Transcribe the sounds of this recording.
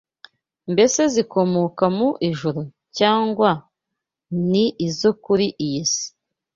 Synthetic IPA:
mbe̞se̞ziko̞mokamuʔiʒuɾu | caːŋɡwa | niːzokuɾiʔijisi̥

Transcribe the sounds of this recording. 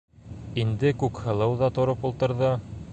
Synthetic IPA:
ind̪ɘkʉkhɤ̆lˠɤwðɑt̪ŏɾɤpulˠt̪ɤ̆ɾðɤ

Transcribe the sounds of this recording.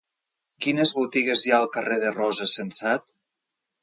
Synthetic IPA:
kinəzβut̪iɣezjaəlˠkəreðərɔzəsənsat̪

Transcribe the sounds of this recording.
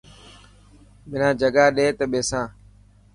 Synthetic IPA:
mɪnãːd͡ʒəɡaːɗeːt̪əɓeːsãː

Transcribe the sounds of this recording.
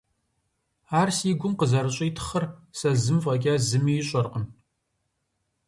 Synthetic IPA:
aːrsiːɡʷʊmqəzɐɾɨɕʼiːtʰɨ̥χɐrsɐzɨmfʼɐɡʲʼaːzɨmiːjɪɕʼɐrqən

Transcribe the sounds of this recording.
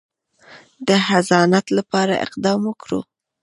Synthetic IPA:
d̪əhazɑnat̪lapɑɾa̰ʔɪ̰qd̪ɑmwəkɽṵ

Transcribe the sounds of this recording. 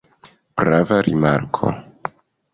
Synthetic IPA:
b̥ɾavaɾʔimaɾkʰo̰

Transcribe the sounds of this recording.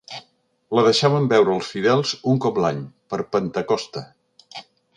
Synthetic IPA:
ləðəʃaβəmbɛwɾəːlˠsfiðɛlˠzuŋkɔplaɲpəɾpənt̪əkɔst̪ə

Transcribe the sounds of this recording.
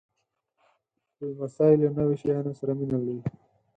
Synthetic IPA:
dəmasɑɪlonəweʃajɑnosaɾaminali

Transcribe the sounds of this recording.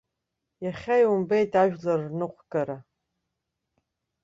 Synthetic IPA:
jaχʲajumbejtʰaʒᶣlɐrnɨqʷʰɡʼɐɾa

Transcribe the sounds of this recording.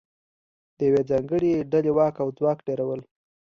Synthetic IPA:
d̪̥əjawed͡zɑŋɡəɽeɖalewɑkawd͡zwɑkɖeɾawəl

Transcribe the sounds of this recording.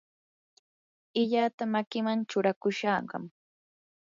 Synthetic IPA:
ɪʎat̪amakɪmant͡ʃʊɾakʊʃɑɢɑ̰m

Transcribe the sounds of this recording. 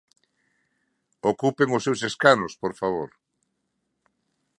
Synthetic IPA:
okupeŋʊsːewseskanospoɾfaβ̞oɾ

